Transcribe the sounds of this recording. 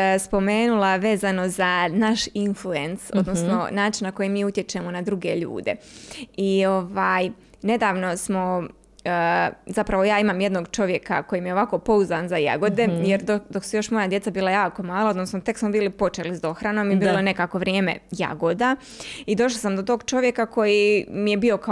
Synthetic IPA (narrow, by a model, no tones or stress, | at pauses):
spo̞meːnulˠaʋe̞ːzano̞zanaʃinflue̞nso̞̰d̪nosno̞̰naːt͡ʃinnako̞jimiːut̪je̞t͡ʃe̞mo̞nad̪ɾuɡe̞ʎṵːd̪e̞io̞ʋaːj | ne̞d̪aːʋno̞smo̞ | zapɾaʋo̞jaːimaːmje̞d̪no̞ɡt͡ʃo̞ʋje̞kako̞jiːmijeo̞ʋako̞po̞uzaːnzaja̰ɡo̞d̪e̞jeɾd̪od̪o̞ksujo̞ʃmo̞jad̪jet̪sabiːlajaːko̞maːlˠaod̪nosnmot̪e̞ksmobiːlipo̞t͡ʃeːlizd̪o̞xɾanoːmibiːlˠone̞kaːko̞ʋɾʲjeːme̞̰ja̰ɡod̪a | id̪o̞ʃ̬lˠasamd̪ot̪o̞ːɡt͡ʃo̞ʋje̞kako̞jimije̞bio̞ka